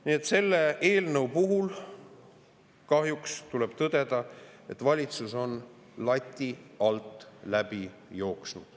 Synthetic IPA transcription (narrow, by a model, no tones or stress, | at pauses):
niet̪se̞lːe̞e̞ːlnɤwpuɦul | kɑɦjukst̪uleb̥t̪ɤd̪̥e̞d̪̥ɑe̞t̪ːˑvɑlʲit̪suso̞n | lɑt̪ʲːiɑlt̪ːˑlæb̥i | jo̞ːksnud̪̥